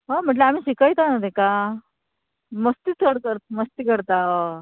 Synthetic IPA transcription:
ɦam̤əɳʈleam̤iːɕikəjt̪anət̪eka | məst̪it̪ʰəɽkəɾt̪̚məst̪ikəɾt̪a

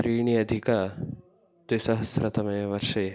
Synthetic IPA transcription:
ɾiːɳiɐd̪ʱika | t̪ʋisɐɦɐsɾɐt̪ɐmɐjɐʋɐɾʂɐj

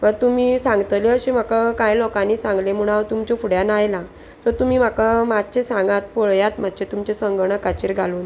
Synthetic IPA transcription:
mət̪umiːsãŋɡt̪liəɕem̤akakãjlɔkãniːsãŋɡlem̤uɽ̃awt̪umt͡ɕofuɽjanajlã | sɔt̪umiːm̤akamat̪̚t͡ɕesãŋɡãt̪̚poɭjat̪m̤at̪ːt͡ɕet̪umt͡ɕesəŋɡɳ̃əkat͡ɕiɾɡʱaluːn

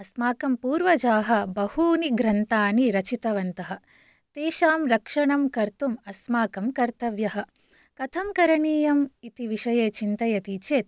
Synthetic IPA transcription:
ɐsmaːkɐmpuːɾʋɐd͡ʒaːɦɐ̆bɐhuːniɡɾɐnt̪aːniɾɐt͡ʃit̪ɐʋɐnt̪ɐɦɐ̆ | t̪eːʃaːmɾɐkʂɐɳɐmkɐɾt̪umɐsmaːkɐmkɐɾt̪ɐʋjɐɦɐ̆ | kɐt̪ʰɐmkɐɾɐɳiːjɐmit̪iʋiʂɐjeːt͡ʃint̪ɐjɐt̪it͡ʃeːt̪̚

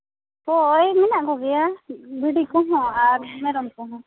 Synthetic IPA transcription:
pɔjmɛnaʔɡɔɡɛjabiɽikɔ̃ɦɔ̃aɾmɛɾɔmkɔ̃ɦɔ̃

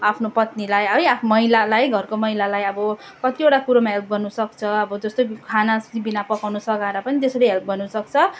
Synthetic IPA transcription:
apʰnopʌt̪nilajʌjamʌilalajɡʱʌrkomʌɦilalajʌbʌ | kʌt̪ieʈakuɾomaɦelp̚ɡʌrnusʌkt͡sʰʌʌbʌd͡zʌst̪okʰanast̪ibinapʌkawnusʌkaɾʌpʌnit̪esʌɽʌjɦelp̚ɡʌrnusʌk̚t͡sʰʌ

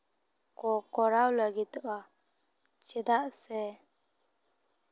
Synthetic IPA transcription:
kɔkɔɾawləɡit̪ba | t͡ʃɛd̪aʔsɛ

